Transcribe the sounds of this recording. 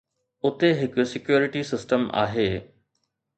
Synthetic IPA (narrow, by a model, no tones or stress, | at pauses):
ʊt̪eɦɪkosɪkjuːɾɪʈisɪsʈəma̰ːɦeː